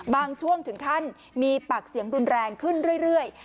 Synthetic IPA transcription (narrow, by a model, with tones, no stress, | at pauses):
baː˧ŋt͡ɕʰu˥˩əŋt̪ʰɯ˩˦ŋt̪ʰa˥˩n | miː˧pa˨˩k̚si˨˩˦əŋɾu˧nɾɛː˧ŋkʰɯ˥˩nɾɯ˥˩əjɾɯ˥˩əj